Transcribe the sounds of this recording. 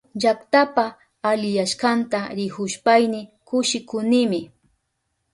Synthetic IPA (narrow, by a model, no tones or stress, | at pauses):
d͡ʒakt̪apaː | lɪjaʃkant̪aɾɪhʊʃpajnɪkʊʃɪkʊnɪmɪ